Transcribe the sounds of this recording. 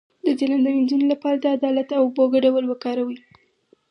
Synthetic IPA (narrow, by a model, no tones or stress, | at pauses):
d̪əd͡ʒeland̪awind͡ʒunolapɑɾad̪əad̪ɑlat̪awboɡaɖawəlwəkɑɾawi